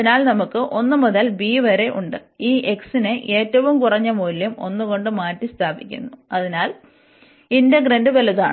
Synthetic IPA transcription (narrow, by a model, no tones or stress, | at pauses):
ɐinaːlnɐmukːɨʔo̞nːɨmɐðɐlbiːʋɐɾe̞ʔuɳɖɨiːʔeksinɨʔe̞ːtːɐʋumkurɐɲːɐmoːlːɐmo̞̰nːuɣo̞ɳɖɨmaːtːist̪ʰaːbikʲːṵnːuɐðinaːl | indeɡrendɨʋɐlɐða̰ːɳ